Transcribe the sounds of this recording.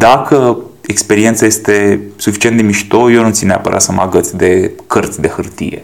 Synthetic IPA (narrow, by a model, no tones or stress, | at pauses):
d̪akʰə | ekspe̞ɾient̪saje̞st̪e̞sufi̥t͡ʃient̪d̪emiʃi̥t̪ojonut̪sʲinea̰pə̰ɾa̰t̪səmaɡət̪sʲd̪e̞kərt̪sʲd̪e̞xɨrt̪ḭje̞̰